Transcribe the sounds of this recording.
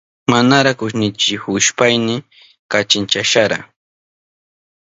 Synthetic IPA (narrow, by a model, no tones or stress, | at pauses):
manaɾakʊʃnɪt͡ʃɪhʊʃpajnɪ | kat͡ʃɪnt͡ʃaʃaɾa̰